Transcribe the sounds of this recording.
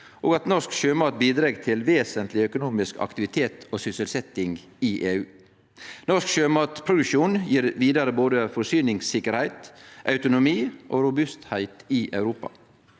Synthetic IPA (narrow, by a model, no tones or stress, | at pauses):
ʔoːɡɑt̪nɔskʃøːmɑːt̪̚biːd̪ɾeːɡt̪ʰɪlʋeːsənt̪lɪœkʊnuːmɪskʰɑ̰kt̪ɪʋɪt̪ʰeːt̪ʰoːsʏsəlsɛt̪ɪŋɡ | ɪʔeːʉː | nɔʂskʃøːmɑːt̪pʰɾʊd̪ʉʃuːnjiːɾʋiːd̪ɑɾəboːd̪əfɔsyːnɪŋsɪkəɾhæɪt̪ʔɑʉt̪ʊnʊmiːʔoːɾʊbʉst̪hæɪt̪ɪʔɑʉɾuːpɑ̰